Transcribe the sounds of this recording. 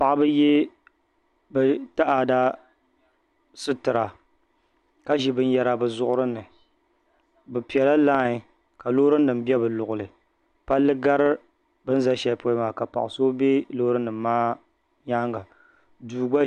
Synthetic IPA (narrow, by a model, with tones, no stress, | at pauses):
pa˨ʔa˦bɨ˦je˦ | bɨ˨ta˦ʔa˨da˦ | sɨ˦tɨ˨ɾa˨ | ka˦ʒi˨bɨ˦n˦jɛ˨ɾa˨bɨ˨zʊ˦ʔʊ˦ɾɨ˦nɨ˨ | bɨ˨pi˨ɛ˨la˦laː˦ɲi˨ | ka˨lo˦ɾɨ˦nː˦ɨ˨m̩˦bɛ˦bɨ˨lʊ˨ʔʊ˨lɨ˨ | pa˦lːɨ˦ɡa˦ɾɨ˦ | bɨ˦n̩˦za˦ʃɛ˦lpo˦i˦maː˨ka˨pa̰˨ʔʊ˨so˦be˦lo˦ɾɨ˦nɨ˨mː˦aː˦ | ɲaː˦ŋɡa˨ | duː˨ɡ͡ba˦